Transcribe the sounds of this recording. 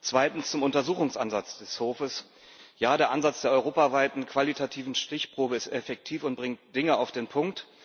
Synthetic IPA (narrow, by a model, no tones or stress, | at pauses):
t͡sv̥aɪtn̩st͡sʊmʊntɐzuːxʊŋsʔa̰nzat͡sd̥ɛshoːfəs | jaːdeːɐʔanzat͡sd̥eːɐʔɔʁoːpavaɪtn̩kv̥alitʰatʰiːvn̩ʃtɪçpʁ̥oːbəɪstɛfɛk̚tʰiːfʊnt̚b̥ʁɪŋt̚d̥ɪŋəaʊfd̥eːnpʰʊŋk̚t